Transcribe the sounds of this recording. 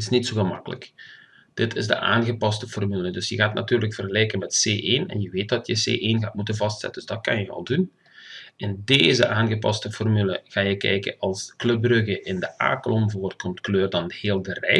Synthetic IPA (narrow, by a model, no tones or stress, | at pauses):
ɪsnitsoːɣəmɑkələ̰k | d̥ɪtʰɪzdə̰ʔa̰ːnɣəpɑstəfɔrmylədɵsjəɣaːtna̰tyːrləkfərɣəlɛjkənmɛtseːʔeːnɛ̰njəʋeːt̚dɑtjəsḛːʔeːnɣaːt̚mutənvɑstsɛ̰tədzdɑt̚kɑnjəɑ̰lˠdun | ʔɪndeːzəʔaːnɣəpɑ̰stəfɔrmylə̰ɣaːjəkɛ̰jkə̰ɑlˠsklɵp̚brøɣəʔɪndəʔa̰ːklɔmvoːrt̚kɔmtkløːrdɑntheːlˠdərɛ̰